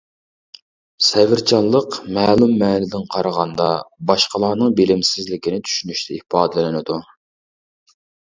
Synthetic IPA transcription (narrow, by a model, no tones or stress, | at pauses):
sɛvɪɾt͡ʃʰɑnlˠːəqmæːlˠumːɛːlɪd̪ɪnqʰɑɾəʁɑnd̪ɑbɑʃqəlˠɑːnɨŋbɪlɪmsɪzlɪkʲinɪt͡ʃ̪ʰy̥ʃynyʃt̪ʰɛihpɑːd̪ɨlɪnɪnɪd̪u